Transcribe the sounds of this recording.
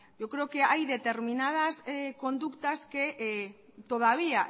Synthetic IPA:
ʝo̞kɾe̞oke̞ajðe̞t̪e̞ɾminað̞asko̞nd̪ukt̪aske̞ʔ | t̪o̞ð̞aβ̞ia

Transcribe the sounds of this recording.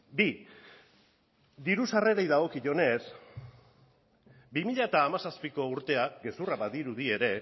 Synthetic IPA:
bi | d̪iɾusare̞ɾejðaɣ̞o̞kiʝo̞ne̞s | bimiʎat̪aːmasaspiko̞uɾt̪e̞akɡe̞suraβaðiɾuðie̞ɾe̞

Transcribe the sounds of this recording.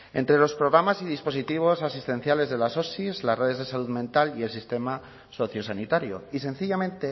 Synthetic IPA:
e̞̰nt̪ɾe̞lo̞spɾo̞ɣɾamasið̞ispo̞sit̪iβ̞o̞sasist̪e̞n̟θjale̞zðe̞laso̞sizlasre̞ð̞ezðesaluðmẽnt̪alie̞lsist̪e̞ma | so̞θjo̞sanit̪aɾjo̰ise̞n̟θiʎamẽ̞nt̪e

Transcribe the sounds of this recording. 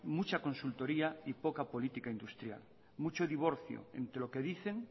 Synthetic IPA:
mut͡ʃakõ̞nsult̪o̞ɾiaipokapo̞lit̪ikaind̪ust̪ɾja̰l | mut͡ʃoðiβ̞o̞ɾθjo̰e̞̰nt̪ɾelo̞ke̞ðiθe̞ŋ

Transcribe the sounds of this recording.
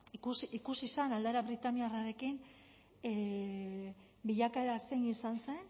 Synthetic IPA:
kusikusisanald̪aeɾaβɾit̪aniaraɾe̞kin | e | biʎakaeɾase̞jisanse̞n

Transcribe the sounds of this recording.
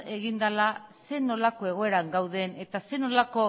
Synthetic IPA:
e̞ɣind̪alase̞no̞lako̞e̞ɣ̞o̞e̞ɾaŋɡawðe̞ne̞t̪ase̞no̞lako̞

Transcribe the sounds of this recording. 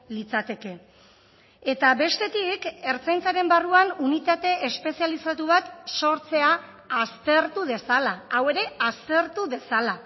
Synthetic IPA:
lit͡sat̪e̞ke̞ | et̪aβe̞st̪e̞t̪ike̞ɾt͡sajnt͡saɾe̞mbaruanunit̪at̪e̞espe̞sialisat̪uβ̞at̪so̞ɾt͡se̞aː | st̪e̞ɾt̪uðe̞salaːwe̞ɾe̞ast̪e̞ɾt̪uðe̞sala

